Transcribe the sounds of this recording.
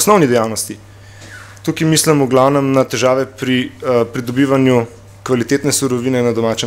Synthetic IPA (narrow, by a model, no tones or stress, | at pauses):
snɔwnid̪ɛjawnɔst̪i | t̪ukimislɛmuɡlawnɛmnat̪ɛʒaːʋɛpɾipɾid̪ɔbiːʋanju | kʋalit̪eːt̪nɛsuɾɔʋinɛnad̪ɔmaːt͡ʃɛ